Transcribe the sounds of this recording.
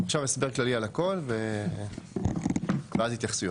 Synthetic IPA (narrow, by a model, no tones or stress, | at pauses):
χʃavesbeʁklalialako̞lve | veazhit̪jaχsu